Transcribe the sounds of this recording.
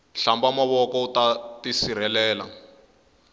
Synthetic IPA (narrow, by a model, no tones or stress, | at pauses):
ɬambamaβɔkɔutatisiɾɛlɛːla̰